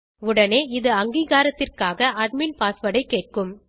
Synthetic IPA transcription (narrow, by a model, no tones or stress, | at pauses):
ʊɽɐneːɪðɯɐŋɡiːɣaːɾɐt̪ːɪrkaːɣɐʔɐɖmɪnpaːsʋɐɽɐɪkːeːʈ̚kɯm